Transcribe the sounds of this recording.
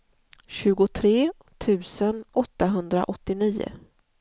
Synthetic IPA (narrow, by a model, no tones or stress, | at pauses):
ɕʉ̟ːɡʊt̪ʰɾeː | t̪ʰʉ̟ːsənɔt̪ːaɦɵnd̪ɾa̰ʔɔt̪ːɪniːʊ̰